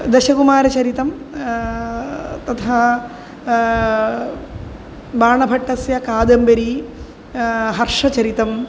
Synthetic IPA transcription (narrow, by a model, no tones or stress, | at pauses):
d̪ɐɕɐkumaːɾɐt͡ɕɐɾit̪ːɐm | t̪ɐt̪ʰa | baːɳɐbʱɐʈːɐsjɐkaːd̪ɐmbɐɾi | ɦɐrʂɐt͡ɕɐɾit̪ːɐm